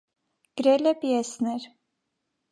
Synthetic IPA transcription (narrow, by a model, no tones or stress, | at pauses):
ɡ̥ɾɛlɛpijɛsnɛɾ